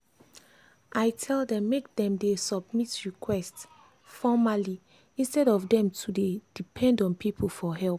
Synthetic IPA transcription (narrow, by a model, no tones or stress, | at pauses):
ʔajtʰɛldɛ̃mːek̚dɛ̃mdesɔbmitɹikʰwɛsts | fɔmali | ĩnstɛɾɔfdɛ̃mtʰuded̥ipʰɛ̃ndɔ̃npʰipʰol̩ˠfɔɦɛlp